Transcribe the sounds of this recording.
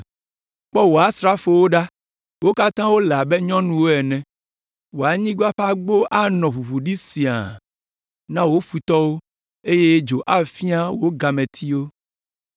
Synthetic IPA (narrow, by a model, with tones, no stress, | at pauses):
k͡pɔ˦wo˨a˨˦sɾa˦fo˨wo˦ɖa˦ | wo˦ka˦t̪ã˦wo˦la˨be˦ɲɔ̃˦nũ˦wo˦ɛ˨nɛ̃˨ | wo˨a˨ɲĩ˦ɡa˦ɸa˦ɡ͡bo˦ʔa˦nɔ̃˨ɸu˨βu˨ɖi˦si˨a̰˨ | nã˦wo˦fu˨t̪ɔ˦wo˦ | e˦je˦d͡ʒo˨ʔa˦fi˦a˦wo˦ɡa˨mɛ̃˨t̪ʰi˦wo˦